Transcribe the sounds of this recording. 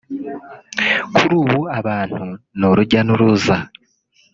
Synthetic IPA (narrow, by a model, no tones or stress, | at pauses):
kʰuɾuːβuaβaːn̥hunoɾuɟanuɾuːza